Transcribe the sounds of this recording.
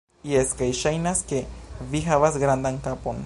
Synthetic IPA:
ieskajʃajnaskevixaβasɡɾand̪aŋkapon

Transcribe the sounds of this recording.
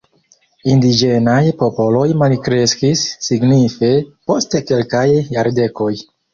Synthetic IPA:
indid͡ʒe̞najpo̞po̞lo̞jmalkɾe̞skisːiɡnife̞po̞steke̞lkajːaɾde̞ko̞j

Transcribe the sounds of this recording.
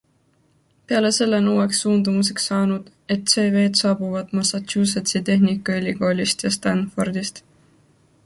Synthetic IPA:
pe̞ɑle̞se̞lːenuːwe̞ksːuːnd̪̥umus̬e̞ksːɑːnud̪̥ | e̞t̪se̞ːve̞ːd̪sɑːbuvɑd̪mɑsɑt̪uːs̬ɑt̪sit̪e̞hnikːˑɑelʲːiko̞ːlʲist̪jɑst̪ɑnfo̞rd̪ist̪

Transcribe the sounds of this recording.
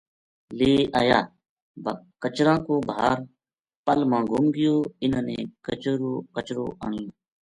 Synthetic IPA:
leːʔaːjaː | bkət͡ʃɾãːkoːbʱaːɾ | pəlmãːɡʊmɡɪjoːɪnãnḛ̃ːkət͡ʃɾoːkət͡ʃɾoːʔãːŋjõː

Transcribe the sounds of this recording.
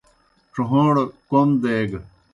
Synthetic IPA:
ʈ͡ʂuɦõːɽkomd̪eːɡ

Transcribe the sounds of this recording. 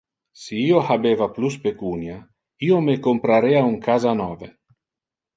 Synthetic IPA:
siiːohabeːvapluspekunja | iːomekompɾaɾeauŋkʰazanɔːve

